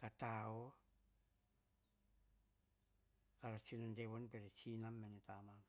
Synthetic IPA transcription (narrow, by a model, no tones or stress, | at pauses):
katao | kaɾat͡ʃinanteβonpeɾet͡ʃinamːenetamam